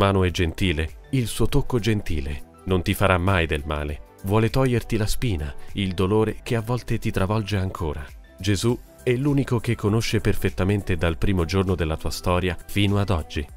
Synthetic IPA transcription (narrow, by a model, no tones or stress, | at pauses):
maːnoɛd͡ʒent̪iːleilsuːot̪okːod͡ʒent̪iːlḛ | nont̪ifaɾamːajd̪elma̰ːle | vwɔːlet̪ɔjːert̪ilaspiːnaild̪oloːɾekeavːɔlt̪et̪it̪ɾavɔld͡ʒeaŋkʰoːɾa | d͡ʒezu | ɛlːuːnikokekʰːonoʃːeperfet̪ːament̪ed̪alpɾiːmod͡ʒornod̪elːat̪uːast̪ɔːɾjafiːnoad̪ɔd͡ʒːi